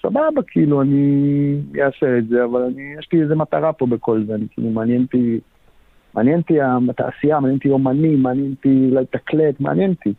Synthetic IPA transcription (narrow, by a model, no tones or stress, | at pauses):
sa̰babakʰiiluani | jeaseetze̞avalanijeʃliezemat̪aʁapo̞be̞ko̞lzeanikḭlumaːnjent̪i | maːnjent̪iat̪a̰ʔːsijamaːnjent̪iomanimːaːnjent̪ilajt̪aklet̪ma̰a̰njent̪i